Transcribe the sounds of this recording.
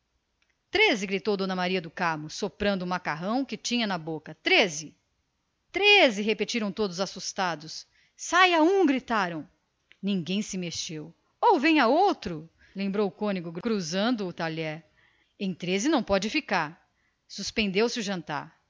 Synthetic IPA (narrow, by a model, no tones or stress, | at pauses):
t̪ɾezɪɡɾit̪owd̪õnɐmaɾiɐd̪ʊkamʊsːopɾɐ̃nd̪ʊumakaɦɐ̃w̃kɪt͡ʃĩɲɐnɐbokɐt̪ɾezɪ | t̪ɾezɪɦepet͡ʃiɾɐ̃w̃t̪od̪ʊzasust̪ad̪ʊs | sajaũɡɾit̪aɾɐ̃w̃ | nĩŋɡẽj̃sɪmeʃew | owvẽj̃aowt̪ɾʊ | lẽmbɾowʊkõnɪɡʊɡkɾuzɐ̃nd̪ʊːt̪aʎɛɾ | ẽj̃t̪ɾezɪnɐ̃w̃pɔd͡ʒɪfikaɾ | suspẽnd̪ewsɪʊʒɐ̃nt̪a̰ɾ